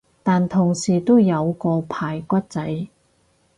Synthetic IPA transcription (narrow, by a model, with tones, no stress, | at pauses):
t̪aː˨nt̪ʰʊ˨˩ŋsiː˨˩t̪o˥wjɐ˨˧wkɔː˧pʰaː˨˩jkʷɐ˥t̚t͡sɐ˨˥j